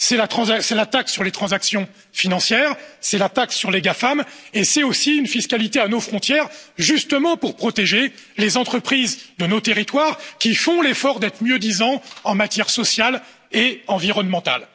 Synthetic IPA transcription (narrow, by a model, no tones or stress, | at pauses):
sɛlat̪χɑ̃zasɛlat̪aksyʁlet̪χɑ̃zaksjɔ̃ | finɑ̃sjɛːʁsɛlat̪aksyʁleɡafamesɛosiynfiskalit̪eanofχɔ̃t̪jɛʁʒyst̪əmɑ̃puʁpχɔt̪eʒelezɑ̃t̪χəpχizd̪ənot̪eʁit̪waʁkʲifɔ̃lefɔʁd̪ɛt̪χmjød̪izɑ̃ɑ̃mat̪jɛʁsɔsjal | eɑ̃viʁɔnmɑ̃t̪a̰l